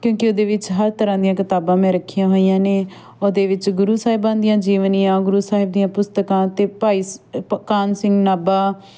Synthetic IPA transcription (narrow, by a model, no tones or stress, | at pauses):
kjõːkeoːd̪eːʋɪt͡ʃɦəɾt̪əɾãːd̪ɪjãːkɪt̪aːbãːmɛ̃ːɾəkʰːijãːɦoːijãːneː | oːd̪eːʋɪt͡ʃɡʊɾuːsaːɦɪbãːnd̪ijãːd͡ʒiːʋənɪjãːɡʊɾuːsaːɦɪb̚d̪ijãːpʊst̪əkãːt̪eːpaːiːskaːnsɪ̃ŋɡnaːbaː